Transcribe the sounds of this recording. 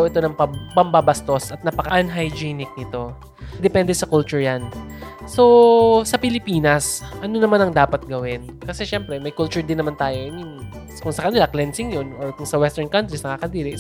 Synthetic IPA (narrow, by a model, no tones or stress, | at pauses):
wʔɛt̪o̞nɐŋpɐpɐmbabɐst̪o̞sʔɐt̪̚nɐpɐkɐʔɐnɦajd͡ʒiːnɪk̚nɪt̪o̞ | d̪ɛpɛnd̪ɛsɐkult͡ʃʊɹjanso̞sɐpɪlɪpiːnɐsʔɐno̞nɐmanɐŋd̪aːpɐt̪̚ɡɐwɪn | kɐsɛʃɛmpɾɛmɐjkult͡ʃʊɹd̪ɪnːɐmant̪aːjojɐnʊn | kʊŋsɐkɐnɪlaklɛnsɪŋjonʔoɹkʊŋsɐwɛst̪ɛɹnkɐnt̪ɾisnɐkaːkɐd̪iːɾɪʔ